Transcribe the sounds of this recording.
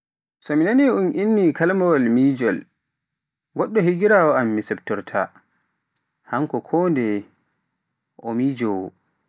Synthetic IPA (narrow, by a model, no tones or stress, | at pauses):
sɔminaniunʔinːikalmawalmiːd͡ʒɔl | ɡɔɗːɔhiɡiɾaːwɔamːisɛbtɔɾtʰa̰ | haŋkɔkʰɔndɛ | ʔɔmid͡ʒɔwɔ̰